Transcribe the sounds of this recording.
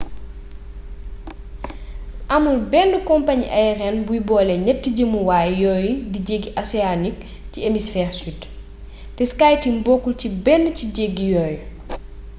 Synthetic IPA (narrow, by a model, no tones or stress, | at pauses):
ʔɐmulbɛndəkɔmpaɲiʔɐjrɛnbujbɔːlɛɲɛtːiɟəmuwaːjjɔːjdiɟeɡːiʔɐsɛanik | ciemisfɛːrsit | tɛskaːjtimbɔkːulcibɛndəciɟeɡːijɔːj